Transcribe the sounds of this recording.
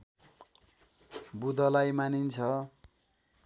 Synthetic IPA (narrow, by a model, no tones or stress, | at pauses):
bud̪ʌlajmanint͡sʰʌ